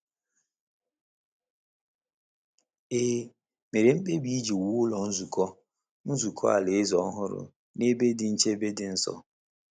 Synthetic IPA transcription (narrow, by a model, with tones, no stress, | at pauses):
eː˦ | me˨ɾe˨m̩˦k͡pe˦bi˦i˦d͡ʒi˨wu˨˦ʊ˦lɔ˨n̩˦zu˨kɔ˦ | n̩˦zu˨kʰɔ̰˦a̰˨lɪ˨ɪ˦zɔ˦ɦʊ˦ɾʊ̰˨ | ne˦be˦dɪ˨n̩˦t͡ʃe˦be˦dɪ˨n̩˦sɔ̰˨